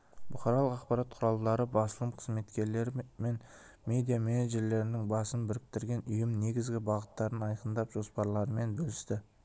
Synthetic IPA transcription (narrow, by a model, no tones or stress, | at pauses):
bʊqɑɾɑlˠəqɑqpɑɾɑt̪̚qʰʊɾɑlˠd̪ɑɾəbɑsəlˠəmqʰəzme̞t̪kʲe̞ɾle̞ɾme̞n | mʲe̞d̪ijameneʒe̞ɾle̞ɾɪnɪŋbɑsənbɪɾɪk̚t̪ɪɾɡʲe̞nʏjɪmne̞ɡʲɪzɡʲɪbɑʁət̪ːɑɾənɑjqənd̪ɑpʒ̥o̞spɑɾlˠɑɾəme̞nbɵlɪst̪ɪ